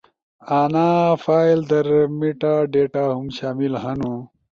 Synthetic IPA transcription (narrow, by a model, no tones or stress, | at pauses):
aːnafaːjld̪ɐɾmiʈaɖeːʈaɦumɕaːmilhɐnu